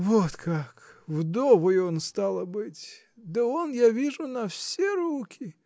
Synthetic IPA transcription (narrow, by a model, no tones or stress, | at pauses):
vot̪kʰakvd̪ovəjonst̪alˠəbɨtʲ | d̪əonjavʲiʐʊnɐfsʲeɾukʲʰɪ